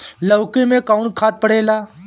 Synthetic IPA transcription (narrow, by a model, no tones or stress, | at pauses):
ləʋkẽmẽkaunkʰaːt̪̚pəɽeːlaː